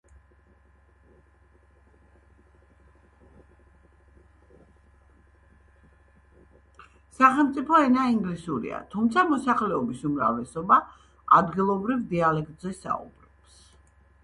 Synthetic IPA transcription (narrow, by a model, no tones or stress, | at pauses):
saχɛlˠmt̪sʼipʰɔɛnaiŋɡlisuɾḭa̰t̪ʰumt̪sʰamɔsaχlɛɔbisumɾa̰vlɛsɔba | ad̪ɡilˠɔbɾivd̪ialɛkt̪ʼzɛsa̰ṵbɾɔps